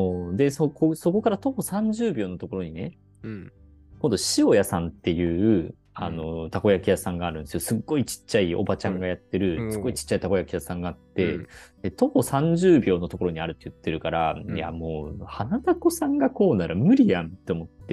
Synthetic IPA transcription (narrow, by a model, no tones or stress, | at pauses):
oːd̪e̞sokoso̞ko̞kaɾat̪o̞po̞sãɲ̟d͡ʑɨːbʲo̞ːno̞t̪o̞ko̞ɾo̞ɲ̟ine̞ | kõnd̪o̞ɕio̞jasãnt̪ːe̞jɯ̟ːɯ̟ | ano̞t̪ako̞jakʲijasãŋɡaːɾɯ̟̃nd̪esijosɨɡːo̞it͡ɕi̥t͡ɕːaiʔo̞̰bat͡ɕãŋɡajat̪ːe̞ɾɯ̟sɨɡːo̞it͡ɕi̥t͡ɕːait̪ako̞jakʲijasãŋɡaːt̪ːe̞d̪̥e̞t̪o̞po̞sãɲ̟d͡ʑɨːbʲo̞ːno̞t̪o̞ko̞ɾo̞ɲ̟iaɾɯ̟t̪ːejɯt̪ːe̞ɾɯ̟kaɾa̰ja̰mo̞ːhanat̪ako̞sãŋɡako̞ːnaɾamɯ̟ɾʲijãnt̪ːe̞omo̞t̪ːe